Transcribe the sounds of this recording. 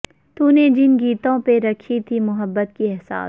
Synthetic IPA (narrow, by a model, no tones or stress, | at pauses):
t̪uːned͡ʒɪnɡiːt̪õpeɾɐkʰit̪ʰimʊɦəbːət̪kiɛɦsa̰ːs